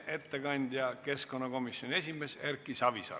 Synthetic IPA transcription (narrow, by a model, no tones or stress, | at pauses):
ʔe̞t̪ːekɑnʲd̪̥ʲjɑke̞sko̞nːɑko̞misjo̞nʲie̞sʲime̞serkːˑisɑvisɑ̰